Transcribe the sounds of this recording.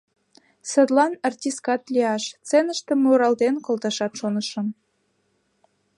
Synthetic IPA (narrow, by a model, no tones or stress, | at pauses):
səd̪lɑnɑrt̪ʲiskɑt̪lʲiɑʃt͡senəʃt̪ĕmuɾɑld̪enkolˠt̪ɑʃɑt̪ʃonəʃə̆m